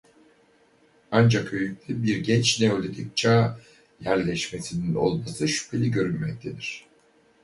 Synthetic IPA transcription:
and͡ʒakøjyc̚ʲlʲybiɾɟɛt͡ʃnɛolʲelʲic̚t͡ʃʰaː | jæɾlʲɛʃme̞sinino̞̰lˠmasɯʃy̥pʰe̞lʲiɟø̞ɾynmɛc̚t̪ʰe̞d̪iɾ̝̥

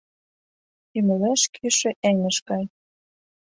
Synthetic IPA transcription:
ymelæʃkʰyʃĕʔeŋə̆ʃkɑj

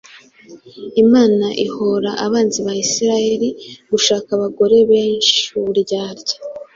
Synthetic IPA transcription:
imaːnaʔiho̞ɾaʔaβaːnziβajisiɾaje̞ɾiɡ̥uʃaːkaβaɡo̞ɾe̞βeːnʃuuɾɟaːɾɟḁ

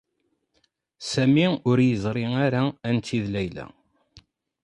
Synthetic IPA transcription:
sæmiʊɾjəzˤɾˤiaɾaænt̪ːiðlæjlæ̰

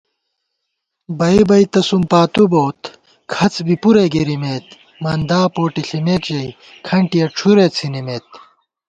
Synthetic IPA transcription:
bɐibɐit̪ɐsumpaːt̪uboːt̪ | kʰɐt͡sbipuɾeɡeɾimeːt̪ | mɐnd̪aːpoːʈiɬimeːkt͡ɕɐj | kʰɐɳʈijɐʈ͡ʂʰuɾeːt͡sʰinimeːt̪̚

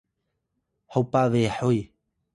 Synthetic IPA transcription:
hawpaveħoj

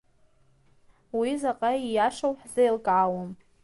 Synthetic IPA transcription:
wizaqʼaijaʂawħzajlkʼʕaːwom

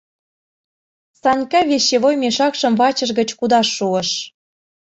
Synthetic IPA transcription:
sɑnʲkɑβeɕːeβojmeʃɑkʃɤ̆mvɑt͡ɕə̆ʒɣə̆t͡ɕkud̪ɑʃːuə̆ʃ

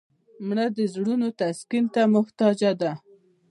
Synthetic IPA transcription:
mɽad̪əzɽunot̪askint̪amʊht̪ɑd͡ʒad̪a

